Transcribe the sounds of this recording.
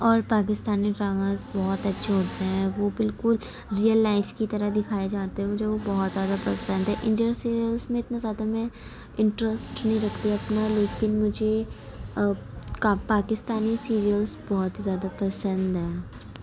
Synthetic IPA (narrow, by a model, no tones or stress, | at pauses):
ɔːɾpaːk̬ɪst̪aːniʈɾaːʋəɾzbɔɦt̪ɐtːʃʰeɦoːt̪eɦɛ̃ʋoːbɪlkʊl | ɾijəlːaːɪfkit̪ɐɾəɦd̪ɪkʰaːed͡ʒaːt̪eɦɛ̃mʊd͡ʒʱeʋobɔɦɔt̪zjaːd̪apɐsə̃nd̪ɦɛ̃ʔɪ̃ɳɖijəɾsiːɾiəlzmẽɪt̪nazjaːd̪amɛ̃ | ɪ̃ɳʈɾəsʈnɐɦĩɾɐkʰt̪iɐpnaleːkɪnmʊd͡ʒʱe | kapaːkɪst̪aːnisiːɾijəlzbɔɦʊt̪zjaːd̪apɐsə̃nd̪ɦɛː